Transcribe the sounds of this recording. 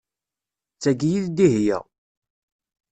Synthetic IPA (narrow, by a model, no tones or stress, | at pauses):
t͡sːæɡjiðd̪ihjæ̰